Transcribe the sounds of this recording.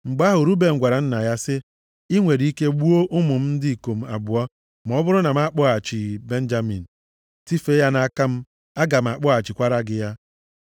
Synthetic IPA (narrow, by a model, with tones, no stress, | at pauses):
ŋ͡m̩˨ɡ͡ba˦ɦʊ˨ɾu˦be˨ŋ̩˨ɡʷa˨ɾa˨n̩˦na˨ja˦sɪ˦ | i˦ŋʷe˨ɾi˦ke˦ɡ͡bu˦o˦ʔʊ˦mʊ˨m̩˦n̩˦dɪ˦i˨ko˨m̩˨a̰˨bʊ˨ɔ˦ | m˨ɔ˦bʊ˦ɾʊ˦na˨m̩˦a˦˨k͡pɔ˦a˨t͡ʃi˨be˦n̩˦d͡ʒa˦mḭ˨n̩˨ | ti˦fe˦ja˦na˦˨a˦ka˦m̩˦ | a˦ɡa˨m̩˨a˨k͡pɔ˦a˨t͡ʃi˨kʷa˦ɾa˦ɡɪ˦ja˦